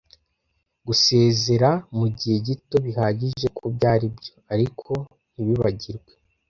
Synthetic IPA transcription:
ɡuse̞ːze̞ɾamuɟihe̞ɟito̞βihaːɟiʒʒe̞kʰubɟaːɾibjo̞aɾikʰo̞ | niβiβaɟiɾɡwe̞̥

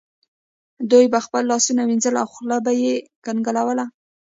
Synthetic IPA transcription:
d̪ujbaxpəlːɑsunawinzəla̰wxlabajekanɡəlawəla

